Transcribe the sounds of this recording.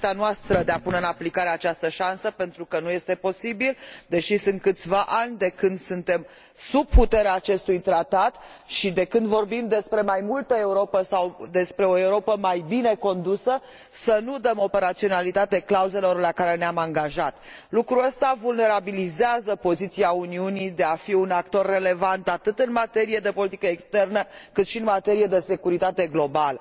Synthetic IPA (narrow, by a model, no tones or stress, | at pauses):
t̪anoast̪ɾəd̪eapuneɨnaplikaɾeat͡ʃast̪əʃansəpe̞nt̪ɾukənuje̞st̪e̞po̞sibild̪e̞ʃisɨnt̪̚kɨt̪sʲvaʔanʲd̪e̞kɨnd̪sɨnt̪e̞m | sub̚put̪e̞ɾeaːt͡ʃe̞st̪ujt̪ɾat̪at̪ | ʃid̪e̞kɨnd̪vo̞rbimd̪e̞spɾe̞majmult̪əe̞uɾo̞pəsawd̪e̞spɾe̞o̞e̞uɾo̞pəmajbine̞ko̞nd̪usə | sənud̪əmo̞pe̞ɾat̪sio̞nalit̪at̪eklauze̞lo̞rlakaɾe̞neamaŋɡaʒat̪lukɾuəst̪avulne̞ɾabilizeazəpo̞zit̪siauniunid̪e̞afiunakt̪o̞rːe̞le̞vant̪at̪ɨt̪ɨnmat̪e̞ɾije̞d̪e̞po̞lit̪ikəekst̪e̞rnəkɨt̪ʃiɨnmat̪e̞ɾije̞d̪e̞se̞kuɾit̪at̪e̞ɡlo̞balə